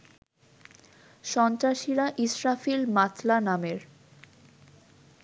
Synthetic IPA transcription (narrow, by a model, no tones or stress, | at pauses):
ʃɔnt̪ɾaʃiɾaʔisɾafilmat̪ʰlanameɾ